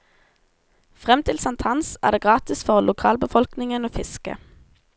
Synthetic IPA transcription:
fʁɛmt̪ʰɪlsɑnt̪hɑnsæ̰ːʁd̪eːɡʁɑːt̪ɪsfɔʁlʔʊkʰɑːlbəfɔlknɪŋənoːfɪskə̰

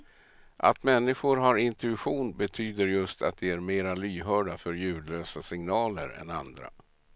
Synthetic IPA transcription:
ʔa̰t̪mɛnːɪɧʊɾɦaɾɪnt̪ɵɧuːnbɛt̪ʰyːd̪əɾjɵst̪ʰa̰t̪̚d̪ɛæɾmeːɾalyːɦœːɖafœɾjʉ̟ːd̪løːsasɪŋnɑːlə̰ɾɛ̰nand̪ɾa̰

